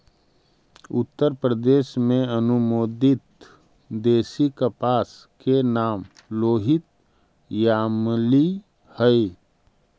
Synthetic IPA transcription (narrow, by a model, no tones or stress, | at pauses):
ʊt̪ːəɾpɾəd̪eːʃmẽənʊmoːd̪ɪt̪ | d̪eːsikəpaːs | kenaːm | loːɦɪt̪ | jaːmli | həi